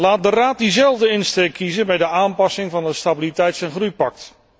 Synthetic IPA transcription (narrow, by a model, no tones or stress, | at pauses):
laːt̚dəraːt̚dizɛlˠvdəɪnsteːkʰizənbɛjdəaːmpɑsɪŋvɑnəstabilitɛjtsɛnχrujpɑk̚t